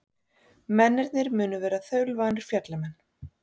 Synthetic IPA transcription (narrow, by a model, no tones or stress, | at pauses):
mɛnːɛɾt̪nɪɾmʏːnʏvɛːɾaθœɥlvaːnɪɾ̥fjat̪lamɛnː